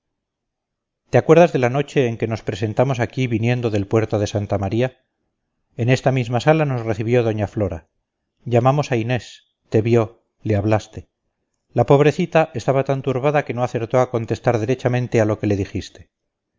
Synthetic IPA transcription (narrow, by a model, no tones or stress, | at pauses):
t̪eakwe̞ɾðazðe̞lano̞t͡ʃe̞ːŋke̞no̞spɾe̞s̬e̞nt̪amo̞s̬akiβinje̞nd̪o̞ðe̞lpwe̞ɾt̪oðe̞sant̪amaɾia | ene̞st̪amizmasalano̞sre̞θiβjo̞ðo̞ɲaflo̞ɾa | ʝamamo̞saine̞s | t̪e̞βjo̞ | leaβlast̪e̞ | lapo̞β̞ɾe̞θit̪aʔe̞st̪aβat̪ant̪uɾβaðake̞no̞aθe̞ɾt̪o̞ako̞nt̪e̞st̪aɾðeɾe̞t͡ʃamẽnt̪ealo̞ke̞le̞ðixist̪e